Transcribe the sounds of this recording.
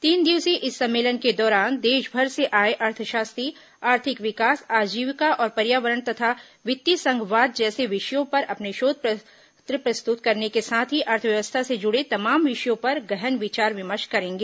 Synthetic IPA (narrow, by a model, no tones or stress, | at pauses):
t̪iːnd̪iʋsiʔɪsːɐ̃mːeːlənked̪ɔːɾaːnd̪eːʃbʱɐɾseʔaːeʔɐɾt̪ʰəʃaːst̪ɾi | aːɾt̪ʰɪkʋɪkaːsaːd͡ʒiːʋɪkaʔɔːɾpɐɾjaːʋəɾəɳt̪ɐt̪ʰa | ʋɪt̪ːisɐ̃ŋɡʋaːd̪̚d͡ʒɛːseʋɪʃjõpɐɾʔɐpneʃoːd̪̚ʱp | t̪ɾəpɾɐst̪ʊt̪kɐɾnekesaːt̪ʰɦiʔɐɾt̪ʰəʋjɐʋəst̪ʰased͡ʒʊɽet̪ɐmaːmʋɪʃjõpɐɾɡɛɦənʋɪt͡ʃaːɾʋɪməʃkɐɾẽːŋɡeː